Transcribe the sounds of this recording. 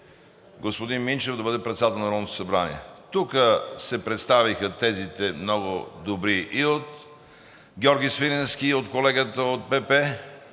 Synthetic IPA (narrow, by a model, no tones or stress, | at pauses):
ɡospod̪inmint͡ʃɛvd̪ɐbəd̪ɛpɾɛt̪sat̪ɛlˠnɾɔnot̪o̥sɐbɾanḭɛ̰t̪ukəsɛpɾɛt̪st̪avixət̪ɛzit̪ɛmnɔɡʊd̪obɾiʔiot̪ | ɡʲɔɾɡʲisviɾɛnsk̟iot̪kolɛɡət̪əot̪̚pɛpɛ